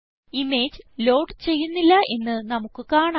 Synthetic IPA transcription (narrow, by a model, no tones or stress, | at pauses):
ime̞ːd͡ʑlo̞ːʈt͡ɕe̞jːunːilːɐʔe̞nːɨnɐmukːɨkaːɳa